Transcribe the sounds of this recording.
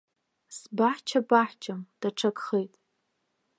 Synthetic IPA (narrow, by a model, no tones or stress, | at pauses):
sbaħt͡ʃʰabaħt͡ʃʰʼamd̥aʈ͡ʂʰakχejtʼ